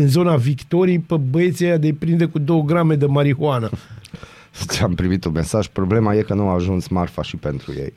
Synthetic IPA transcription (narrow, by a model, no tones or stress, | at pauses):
ɨnzo̞navikt̪o̞ɾijpəbəet̪siead̪epɾind̪ekud̪o̞wəɡɾame̞d̪emaɾihoanə | t͡ʃampɾimit̪unme̞saʒ̥pɾo̞ble̞maje̞kənuaʒunsmarfaʃipe̞nt̪ɾṵjḛj